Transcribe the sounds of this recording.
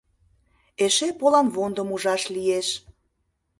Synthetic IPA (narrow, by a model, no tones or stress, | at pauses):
eʃepolɑmβond̪əmuʒɑʃlijeʃ